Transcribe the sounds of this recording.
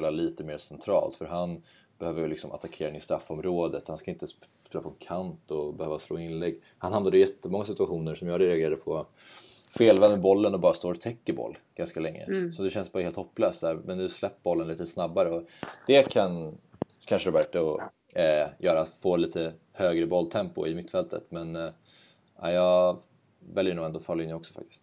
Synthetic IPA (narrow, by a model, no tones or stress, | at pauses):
laliːt̪əmeːɾsɛnt̪ʰɾɑ̰ːlt̪fœɾɦan | b̥ɛhøːvəjəlɪksɔmʔa̰t̪akʰeːɾɪnɪst̪ɾafːɔmɾoːd̪ət̪hanskaɪnt̪əspeːlapɔɛnkʰant̪ɔbɛhøːvaslo̰ːɪnlɛɡː | hanhamnad̪əjɛt̪ʰːəmɔŋːasɪt̪ɵaɧuːnəʂɔmjɑːɡɾɛɛaɡeːɾad̪əpʰɔ | feːlvɛnbɔlːənɔbɑːɾast̪oːɾɔt̪ʰɛkːəɾbɔ̰lːɡ̥anskalɛŋːə̰sɔd̪ɛɕɛnsbɑːɾaheːlt̪hɔpːløːst̪sæːɾmɛnd̪ɵslɛpːbɔlːənliːt̪snabːaɾəɔd̪̥ɛkʰan | kʰanʂəɾɔbæʈːəɔ | jœːɾat̪foːliːt̪ə | høːɡɾəbɔlːt̪ʰɛmpʊ̰ɪmɪt̪ːfɛlt̪ə̰t̪mɛn | ʔa̰ːjɑː | vɛljəɳuːɛnd̪oːfʰɑːɾlɪnːəɔksɔ̥fa̰k̚t̪ɪ̥st̪